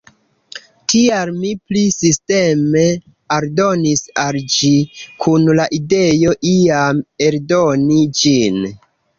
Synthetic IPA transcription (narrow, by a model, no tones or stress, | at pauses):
tialmiplisiste̞me̞ | aɾdo̞nisald͡ʒikʰunlaʔide̞jo̞ʔiame̞ɾdonid͡ʒin